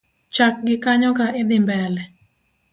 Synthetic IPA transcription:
t͡ʃak̚ɡɪkaɲɔkaʔed̪ɪmbɛlɛ

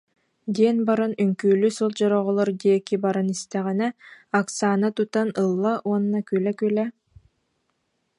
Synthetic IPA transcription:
d̪iɛnbaɾɯnyŋkyːlysɔlˠd͡ʑɔɾɔʁɔlˠɔɾd̪iɛkibaɾɯnist̪ɛʁinɛaksaːnat̪ut̪anɯlˠːaʔuɔnːakylɛkylɛ

